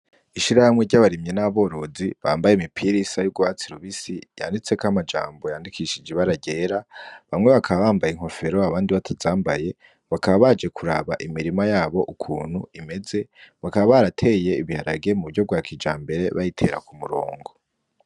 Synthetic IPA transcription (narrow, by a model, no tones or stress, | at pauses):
iʃiɾahamŋe̞ɟaβaɾimɲe̞naβo̞ɾo̞ziβaːmbajemipʰiɾisajub̚ɡwat͡siɾuβisija̰ːndit͡se̞kamad͡ʒa̰ːmbo̞jaːndikʰiʃid͡ʒeβaɾaɟeːɾaβamŋe̞βakʰaβaβaːmbajeŋho̞fe̞ɾo̞aβaːndiβatʰazaːmbaje̞ | βakaβaβad͡ʒe̞kʰuɾa̰βa̰ʔimiɾimajaːβo̞ʔukʰuːn̥huime̞ze̞βakaβaβaɾatʰe̞ːje̞iβihaɾa̰ɡe̞muuɟo̞b̚ɡwaːkʰid͡ʒaːmbe̞ɾe̞βajitʰe̞̰ɾa̰kumuɾo̞̰ːŋɡo̞